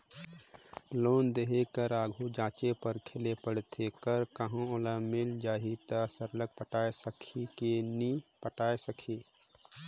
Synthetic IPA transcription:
loːnd̪eɦekəɾaːɡʱud͡ʒãːt͡ʃepəɾkʰɪlepəɽt̪ʰekəɾkəɦõolaːmɪld͡ʒaːɦit̪asəɾlək̚pəʈaːesəkʰikeniːpəʈaːesəkʰiː

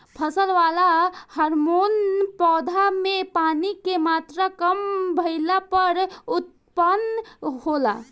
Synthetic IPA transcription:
pʰəsəlʋalahəɾmonpɔd̪ʱamepanikemat̪ɾəkəmbʱəɪlapəɾut̪̚ | pənhola̰

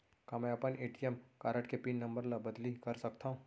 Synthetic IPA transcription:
kamɛ̃ɐpəneːʈijəmkaːɾəʈkepiːnːɐ̃mbəɾlabɐd̪likɐɾsɐkt̪aɦũː

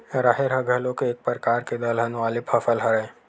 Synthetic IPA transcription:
ɾaɦeɾɦɐɡʱəlõkeeːk̚pəɾkaːɾked̪ɐlɦɐnʋaːlɪpʰɐfəlɦɐɾẽ

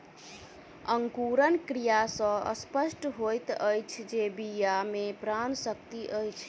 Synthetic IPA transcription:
əŋkuɾənkɾijasə̃ə̰spəsʈɦojt̪əjt͡ʃʰd͡ʒebijamepɾansək̚t̪iʔəjt͡ʃʰ

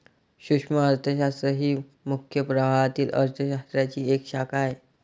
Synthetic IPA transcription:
ɕukʂməəɾt̪ʰəɕ̬ast̪ɾəɦiː | mukʰjəpɾəʋaɭat̪iːlʔə̰ɾt̪ʰəɕast̪ɾjat͡ɕiːekɕakae

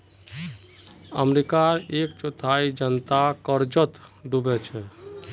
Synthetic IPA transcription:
ə̰mɾikaɾekt͡ʃot̪ʰaid͡ʒənt̪akəɾd͡ʒət̪ɖubɛt͡ʃʰɛ

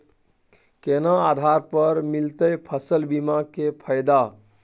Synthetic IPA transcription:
kenãad̪ʱaɾpəɾmilt̪əjpʰəsəlbimakepʰəjd̪a

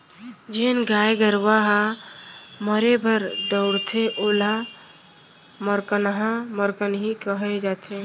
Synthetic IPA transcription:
d͡ʒenɡajɡəɾʋaɦa | məɾebʱəɾd̪əʊɽt̪ʰeʔola | məɾkənɦãməɾkənɦikəɦɛd͡ʒat̪ʰe

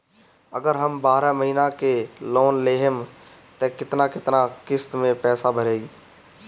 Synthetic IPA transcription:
ɐɡəɾɦɐmbaːɾəməɦiːnakeloːnleːɦəm | t̪ɛ̃kɪt̪nakɪt̪nakɪst̪mẽpɛːsabʱəɾeːiː

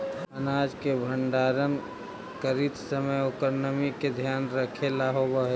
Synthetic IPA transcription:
ənaːd͡ʒkebʱəɳɖaːɾən | kəɾit̪səməjokəɾnəmiked̪ʱjaːnɾəkʰelaɦobəɦe

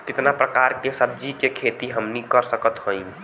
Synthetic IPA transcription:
kɪt̪napɾəkaːɾkesəb̚d͡ʒikekʰeːt̪iɦəmnikəɾsəkət̪ɦõĩ

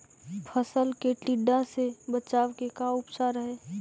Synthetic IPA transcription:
pʰəsəlkeʈiɖãsebət͡ʃaːʋkekaʊpsaɾəɦeː

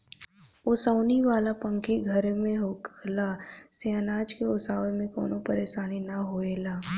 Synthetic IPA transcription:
ʊsaːniʋaːlapə̃ŋkiɡʱɐɾmẽɦoːkʰlaseanaːd͡ʒkeʊsaːʋemẽko̰ːnopɐɾeːʃaːninɐɦoːeːlaː

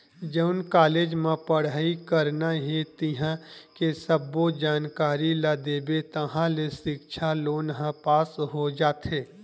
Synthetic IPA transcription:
d͡ʒəʊnkaːleːd͡ʒmẽpəɽaːikəɾnaɦet̪ɪɦãkesəbːod͡ʒaːnkaːɾilad̪eːbet̪əɦãlesɪkʃʰaloːnɦãpaːsɦod͡ʒaːt̪ɦeː

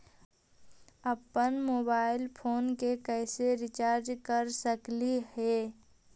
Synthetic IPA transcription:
əpənmoːbaːɪlpʰoːnkekɛːseɾɪt͡ʃaːɾd͡ʒkəɾsəklihɛː

